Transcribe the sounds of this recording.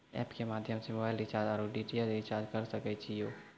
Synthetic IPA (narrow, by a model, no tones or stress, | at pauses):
ɛ̰ːpkemaːd̪ʱjəmsemoːbaːɪlɪt͡ʃaːd͡ʒaːɾoɖiːʈijadeɪt͡ʃaːd͡ʒkɐɾsəkɛt͡ʃʰijoː